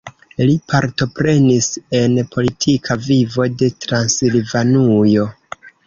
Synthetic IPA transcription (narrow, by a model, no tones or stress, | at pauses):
lipʰaɾto̞pɾe̞nise̞npʰo̞litʰikʰavivo̞de̞tɾansilvanujo̞